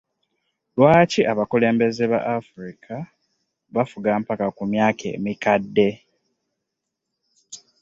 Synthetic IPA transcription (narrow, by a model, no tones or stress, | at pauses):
lwaːciʔaβakule̞ːmbe̞ze̞βa̰ʔafuɾikʰa | βafuɡaːmpakakumjaːkʰe̞̰ːmikadːe̞